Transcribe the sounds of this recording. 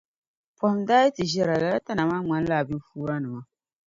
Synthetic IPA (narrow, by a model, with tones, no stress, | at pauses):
pɔ˨hɪ˨mdaː˦jɛ˦tɨ˨ʒɛ˦ɾa˨la˨la˦ta˦na˨maː˦ŋ͡ma˨˦n˦laː˦˨bi˦n˦fuː˦ɾa˦nɨ˨ma˨